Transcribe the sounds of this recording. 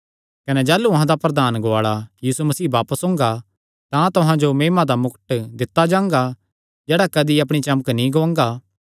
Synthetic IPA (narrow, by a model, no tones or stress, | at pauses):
kɐnɛd͡ʒaːluɐɦãd̪apɾɐd̪aːnɡoaːɭajiːsumɐsiːbaːpəsõːŋɡa | t̪ãt̪ʊɦãd͡ʒomeːmãd̪amʊkəʈd̪ɪt̪ːad͡ʒãːŋɡa | d͡ʒɛːɽakɐd̪iɐp̬ɽ̃it͡ʃɐməknĩɡoãŋɡa